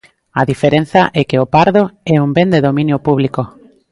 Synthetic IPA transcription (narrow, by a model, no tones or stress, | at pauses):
ɐðifeɾen̟θɐʔɛkeopaɾðoɛumbend̪eðomĩnjopuβliko